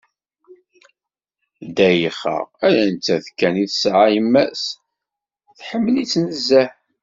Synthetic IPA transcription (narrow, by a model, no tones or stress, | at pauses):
d̪æjəχə̰ʁælænt͡s̪ːæðkːæniθsʕajəmːæs | θħəmːəlit͡sːnəzːæħ